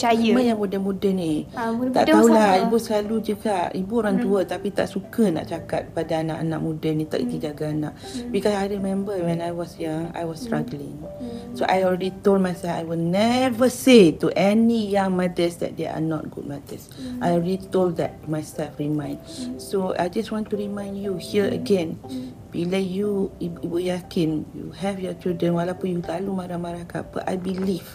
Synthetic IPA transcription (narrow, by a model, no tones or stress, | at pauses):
t͡ʃaəmə̃jãmudəmũdənĩa̰ʔt̪aulaibusəlalud͡ʒuɡaibuoɾãŋd͡ʒuət̪apit̪a̰ʔsukəna̰ʔt͡ʃakat̪̚padaana̰ʔanãʔ̚mũdənĩt̪a̰ʔḭt̪id͡ʒaɡaanak̚bikɔsajɹimɛ̃mbəwɛ̃najwɔsjaa̰jwɔstɹaɡlɪ̃ŋ | soʔajɔlɹɛdit̪old̚majsɛlfa̰jwilnɛvəsetuʔɛnijãŋmadəsdɛ̰t̚dḛa̰nɔ̰t̚ɡṵd̚madə̰sʔajɔlɹɛditolddɛt̚majsɛlfɹimãj̃ndsoa̰jd͡ʒaswɔ̃ntuɹimãj̃ndjuhiəə̰ɡɛ̃n | b̥ilajuiibujakĩnjṵhɛvjɔt͡ʃildɹə̃nwalapũnjuɡalumaɾamaɾaka̰ba̰ʔa̰jbiliv